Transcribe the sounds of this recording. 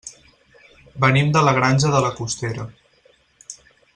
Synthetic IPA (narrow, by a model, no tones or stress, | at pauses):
bənimd̪ələɣ̞ɾanʲʒəðələkust̪eɾə